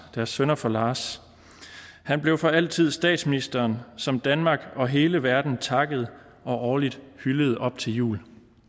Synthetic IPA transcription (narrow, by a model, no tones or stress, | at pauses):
d̥æɐsːønɐfɒ̽lɑ̈ːs | hænb̥le̝ʊfɒ̽æl̰t͡sʰið̞̰ˠsd̥ɛ̰ːd̥sminisd̥ɐːnsɒ̽md̥ænmɑ̈ːɡ̥ɒ̽ɦe̝ːləʋæɐd̥n̩t͡sʰɑ̈ɡ̥əð̞̩ˠ | ɒ̽ʔɒːlid̥hyləð̩ˠɒ̽b̥t͡sʰe̝ljṵːl